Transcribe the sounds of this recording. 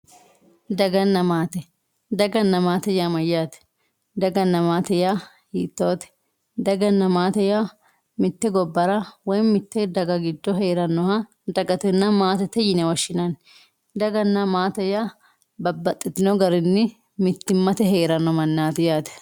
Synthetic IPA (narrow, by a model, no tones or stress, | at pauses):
d̪ɐɡɐnːɐmaːt̪ɛ | d̪ɐɡɐnːɐmaːt̪ɛjamɐjːaːt̪ɛ̥ | d̪ɐɡɐnːɐmaːt̪ɛja | hiːt̪ːoːt̪ɛ̥ | d̪ɐɡɐnːɐmaːt̪ɛja | mɪt̪ːɛɡɔbːɐɾɐwɔjmɪt̪ːɛd̪ɐɡɐɡɪd̪ːɔɦeːɾɐnːɔha | d̪ɐɡɐt̪ɛnːɐmaːt̪ɛt̪ɛjɪnɛwɐʃːɪnɐn | d̪ɐɡɐnːɐmaːt̪ɛjaː | bɐbːɐt̪ʼːɪt̪ːɪnɔɡɐɾɪnːɪ | mɪt̪ːɪmːɐt̪ɛɦeːɾɐnːɔmɐnːaːt̪ɛjaːt̪ɛ̥